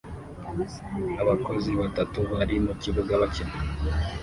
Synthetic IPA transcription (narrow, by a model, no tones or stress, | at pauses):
aβako̞ziβatatuβaɾimuciβuɡaβacinu